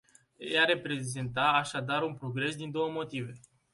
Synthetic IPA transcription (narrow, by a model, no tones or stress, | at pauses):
jeaɾe̞pɾe̞zent̪aːʃad̪aɾunpɾo̞ɡɾe̞sd̪ind̪o̞wəmo̞t̪ive̞